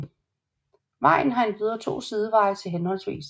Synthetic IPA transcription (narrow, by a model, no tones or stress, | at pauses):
ʋɑ̈ɪ̰n̩ɦɑ̈e̝nb̥yðˠɐt͡sʰo̝̰ːsiðˠəʋɑ̈ɪt͡sʰe̝lɦenhɒ̽l̰sʋḭːs